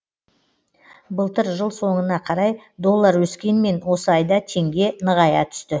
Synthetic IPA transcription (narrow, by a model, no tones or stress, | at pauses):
bəlˠt̪əɾʒəlˠso̞ɴənɑqʰɑɾɑjd̪o̞lˠːɑɾwɵskʲe̞nme̞nwo̞səɑjd̪ɑt̪ʰe̞ŋɡʲe̞nəʁɑjɑt̪ʰʏ̥st̪ɪ